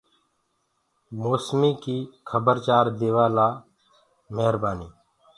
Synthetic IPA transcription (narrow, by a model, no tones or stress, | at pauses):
moːsmiːkiːkʰəbəɾt͡ʃaːɾd̪eːʋaːlaː | meɦɾbaːniː